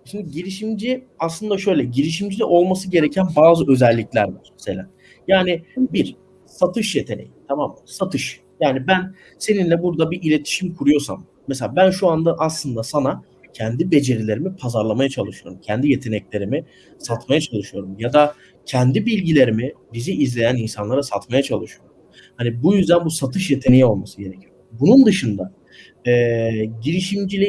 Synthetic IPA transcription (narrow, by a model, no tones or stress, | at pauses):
ʃimd̪iɟiɾiʃimd͡ʒiaslˠɯnd̪aʃø̞jlʲɛɟiɾiʃ̬imd͡ʒilʲɛʔo̞lˠmasɯɟe̞ɾecʰænbaːzɯø̞zɛlʲːiclʲæɾva̰ɾ̥meselʲa̰ːn | jaːnibiɾ | sat̪ʰɯʃje̞t̪ʰenḛjimt̪ʰamamːasat̪ʰɯʃ | jaːnibæn | se̞ninlʲɛbuɾd̪abiʔilʲe̞t̪ʰi̥ʃimkʰuɾujo̞sa̰mːɛs̬elʲaːbænʃuand̪aʔaslˠɯnd̪asana | cʰɛnd̪ibe̞d͡ʒe̞ɾilʲe̞ɾimipʰazaɾlˠamajat͡ʃʰalˠɯʃɯjoɾumcʰɛnd̪ije̞t̪ʰe̞nɛclʲe̞ɾimi | sat̪majat͡ʃʰalˠɯʃɯjo̞ɾumjad̪a | cʰɛnd̪ibilʲɟilʲe̞ɾimibiziizlʲe̞jæninsanlˠaɾasat̪majat͡ʃʰalˠɯʃɯjo̞ɾu | hanibujyzd̪ænbusat̪ʰɯʃjet̪ʰe̞nejio̞lˠmasɯjenɛcʰy | bunund̪ɯʃɯnd̪a | ɛːɟiɾiʃimd͡ʒilʲi